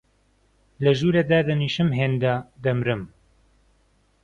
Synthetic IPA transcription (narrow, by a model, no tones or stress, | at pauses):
lɐʒuːɾɐd̪aːd̪ɐniːʃɨmɦeːnd̪ad̪ɐmɾɨm